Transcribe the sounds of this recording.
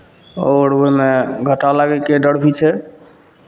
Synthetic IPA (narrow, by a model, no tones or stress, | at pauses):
oɾoimeɡʱəʈalaɡɛkeɖəɽbʱit͡ʃʰɛ